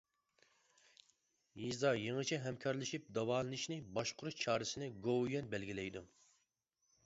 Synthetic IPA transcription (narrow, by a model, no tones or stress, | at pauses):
jizɑjeŋɨt͡ʃʰɛɦɛmkʲʰɑɾlˠɨʃip̚d̪ɑwɑːlˠɨnɪʃnɪbɑʃqʊɾut͡ʃʰɑːɾɨsɪnɪɡowjɛnbɛlɡʲilɛjd̪u